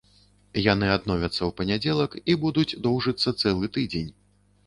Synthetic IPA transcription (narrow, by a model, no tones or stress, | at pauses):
jan̪ɨad̪nɔvʲɐt̪sːɐwpɐnʲad͡zʲɛlˠɐkibud̪ud͡zʲd̪ɔwʐɨt̪sːɐt̪sɛlˠɨt̪ɨd͡zʲenʲ